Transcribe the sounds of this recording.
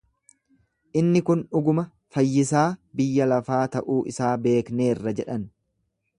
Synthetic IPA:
ʔɪnːɪkʊnʊɡʊmɐ | fɐjːɪsaːbɪjːɐlɐfaːt̪ɐʔuːʔɪsaːbe̞ːkne̞ːrːɐd͡ʒɛᶑɐn

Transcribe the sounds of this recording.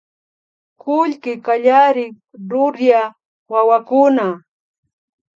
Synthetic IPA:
kʊʎkɪkaʎaɾɪ | ɾʊɾja | wawakʊna

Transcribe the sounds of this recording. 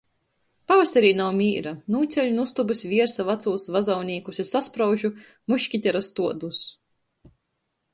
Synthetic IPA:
pavasʲɛɾiːnawmʲiːɾanuːt̪sʲɛʎʲnust̪ubusʲvʲiɛɾsavat̪suːsvazawnʲiːkusesːaspɾawʒu | muʃkʲit̪ʲɛɾast̪uɔd̪us

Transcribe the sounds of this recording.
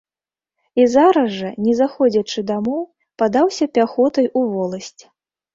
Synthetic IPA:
izaɾɐʐɐnʲɛzaxɔd͡zʲɐt͡ʂɨd̪amɔw | pad̪awsʲɐpʲaxɔt̪ɐjuvɔlˠɐsʲt͡sʲ

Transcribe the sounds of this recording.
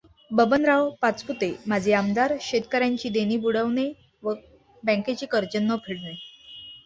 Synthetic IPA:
bəbənɾaʋpat͡sput̪emad͡ʑʱeamd̪aɾɕet̪kəɾjãɲt͡ɕiːd̪eniːbuɽəʋne | ʋə | bə̃ŋket͡ɕiːkəɾt͡ɕənːəpʰiɽne

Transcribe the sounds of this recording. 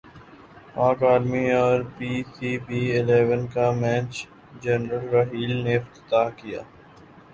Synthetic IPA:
ãːkaːlmiɔːɾpiːsʰiːbiːɪleːʋənkamɛ̃ːt͡ʃ | d͡ʒɛnɾəlɾɐɦiːlneɪft̪ɪ̥t̪aːkija̰ː

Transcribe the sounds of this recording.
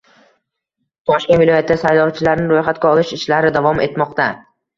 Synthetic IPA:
t̪ʰɒʃkʲenvɪlˠɒjat̪ʰːd̪asajlɒwt͡ʃʰɪlaɾnɪɾojχat̪̚ɡʲaɒlˠɪʃɪʃlaɾɪd̪avɒme̞t̪mɒqt̪a

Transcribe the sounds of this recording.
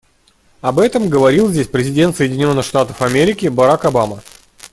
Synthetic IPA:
ɐbɛt̪əmɡəvɐɾʲilˠzʲdʲesʲpɾʲɪzʲɪdʲe̞nt̪səjɪdʲɪnʲo̞nːɨxʂt̪at̪əfɐmʲeɾʲɪkʲɪbɐɾakɐbamə

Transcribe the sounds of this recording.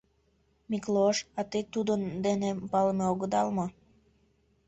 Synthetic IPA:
mikloʃɑt̪it̪ud̪ənd̪enepɑlmeoɣəd̪ɑlmo

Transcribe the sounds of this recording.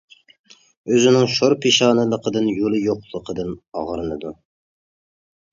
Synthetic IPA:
øzɪnɪŋʃoɾpʰeʃɑːnɨlˠəqʰəd̪ɨnjolˠɨjoqlˠəqʰəd̪ɨnɑ̰ʁɾɨnɨd̪u

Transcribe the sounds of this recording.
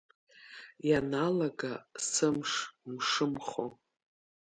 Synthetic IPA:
janalaɡasɨmʂmʂɨmχo̰

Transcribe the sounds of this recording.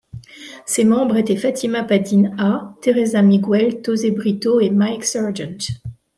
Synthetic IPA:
semɑ̃bʁet̪ɛfat̪ʰimapad̪inat̪eʁezamiɡwɛlt̪ozebʁit̪oemajksœʁd͡ʒɛ̃nt̪

